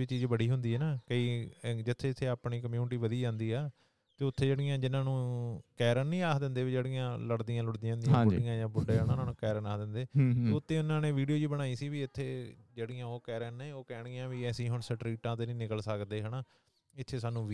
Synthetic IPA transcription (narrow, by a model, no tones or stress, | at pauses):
iːt͡ʃiːd͡ʒbəɽiːɦʊnd̪iːɦɛːnaːkəiːd͡ʒɪt̪ʰːeːɪt̪ʰːeːaːpɳiːkəmjuːnɪʈiːʋəd̪iːd͡ʒãːnd̪iːaː | t̪eːʊt̪ʰːeːd͡ʒeːɽɪjãːd͡ʒɪnːãːnũːkɛːɾənːĩːaːd̪ɪ̃nd̪eːʋiːd͡ʒeːɽɪjãːləɽd̪iːãːlʊɽd̪ijaːnd̪iãːbʊɖɪjãːjãːbʊɖeːnaːnãːnũːkɛːɾənaːd̪ɪnd̪eːt̪eːʊt̪ʰːeːʊnãːneːʋiːɖijoːd͡ʒiːbəɽ̃aːiːsiːʋiːɪt̪ʰːeːd͡ʒeːɽɪjãːoːkɛːɾəːnẽːoːkɛːɽ̃ijãːʋiːɛːsĩːɦʊɳsəʈɾiːʈãːt̪eːnĩːnɪkəlsəkd̪eːɦənaː | ɪt̪ʰːeːsaːnũːʋ